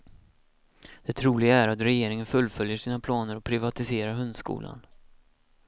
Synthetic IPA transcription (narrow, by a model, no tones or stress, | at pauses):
d̪̥ɛt̪ʰɾuːlɪɡaæɾat̪ɾɛjeːɾɪŋənfɵlːfœljəʂiːnapʰlɑːnəɾɔpʰɾɪvat̪ɪseːɾaɾɦɵnd̪skṵːlʔa̰n